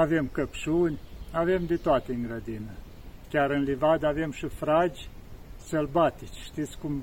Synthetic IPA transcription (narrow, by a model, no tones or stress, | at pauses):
ave̞mkəpʃunʲave̞md̪et̪oat̪eɨŋɡɾəd̪inə | kʲaɾɨnlivad̪ave̞mʃifɾad͡ʒʲsəlbat̪it͡ʃʲʃt̪it̪sʲkum